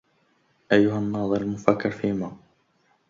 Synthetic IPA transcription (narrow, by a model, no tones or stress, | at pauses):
ʔajːʊɦanːɑːd̪ˤɨɾalmʊfakːɪɾfiːmaː